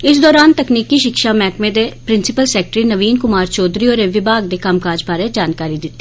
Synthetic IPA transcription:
ɪs̬d̪ɔːɾaːnt̪əkniːkiːʃɪkʃaːmɛ̃ːkmẽːd̪eːpɾɪnsɪpəlsɛːk̚ʈɾiːnəʋiːnkʊmaːɾt͡ʃɔːd̪ɾiːoːɾẽʋɪbaːɡ̚d̪eːkəmkaːd͡ʒpaːɾẽːd͡ʒaːnkaːɾiːd̪ɪtt̪ːeiː

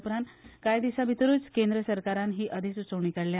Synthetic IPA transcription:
pɾãnt̪kajd̪iɕabʱit̪ɾuːt͡skend̪ɾəsəɾkaɾanɦiːʔəd̪ʱisut͡səwɳikəɽlja

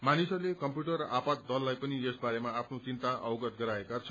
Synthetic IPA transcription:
manisʌrlekʌmpjuʈʌrːʌʔapat̪̚d̪ʌlːajpʌniesbaɾemaapʰnot͡sint̪aʔʌwɡʌt̪̚ɡʌɾaekat͡sʰʌ̥

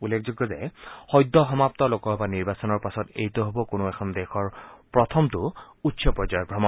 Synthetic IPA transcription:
ulːekʰzuɡːɔzɛhɔjdːɔɦɔmap̚tɔlokɔbaniɹbasɔnɔɹpasɔtḛjtoɦobɔkonoɛkʰɔndɛxʰɔɹpɹɔtʰɔmtʊ | utːsʰɔpɹɔzɔjɔbʱɹɔmɔ

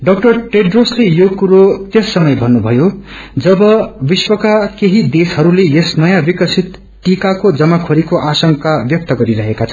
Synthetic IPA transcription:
ɖʌk̚ʈʌrʈeɖroslejokuɾot̪jʌsːʌmʌjbʱʌnːubʱʌjod͡zʌbʌbiswʌkakeɦid̪eshʌɾulejesnʌjãbikʌsʰit̪ | ʈikakod͡zʌmakʰoɾikoʔasʌŋkabjʌk̚t̪ʌɡʌɾiɾʌɦekat͡sʰʌ̥

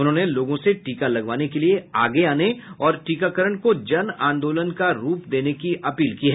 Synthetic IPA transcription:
ʊnɦõːneloːɡõseʈiːkalɐɡʋaːnekelieaːɡeaːneɔːɾʈiːkakəɾəɳkod͡ʒɐnãːnd̪oːlənkaɾuːpd̪eːnekiʔɐpiːlkiːɦɛː

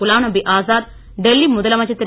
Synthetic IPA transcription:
ulaːɳɐbiʔaːzaːd̪ | ɖ̪elːimʊðɐlɐmɐd͡ʒɐt̪ːiɾ

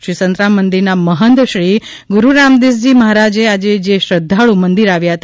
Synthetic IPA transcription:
ʃisənt̪ɾamːənd̪iɾnaməɦənd̪ʃɾi | ɡuɾuɾamd̪is̬d͡ʒiməɦaɾad͡ʒead͡ʒed͡ʒeʃɾəd̪ʱːaɭumənd̪iɾaʋjaɦət̪a

